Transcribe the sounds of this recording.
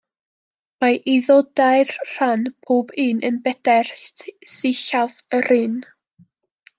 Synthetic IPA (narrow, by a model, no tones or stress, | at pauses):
majʔiðɔdaɨrr̥anpʰoːbiːnʔənbɛdɛrsɪɬavərɨːn